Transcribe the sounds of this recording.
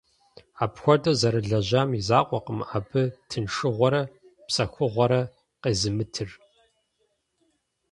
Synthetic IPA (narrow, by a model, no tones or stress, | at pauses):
aːpxʷɔdʼɐwzɐɾɨɮɐʑaːmizaːqʷʼɔqəmaːbɨtʰɨnʂɨʁʷɔɾɐ | psɐxʷʊʁʷɔɾɐ | qeːzɨmɨtʰɨr